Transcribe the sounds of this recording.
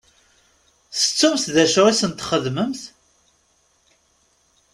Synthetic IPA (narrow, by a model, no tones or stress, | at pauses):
θə̥t͡sːumθðæʃʁisənt̪χəðməmθ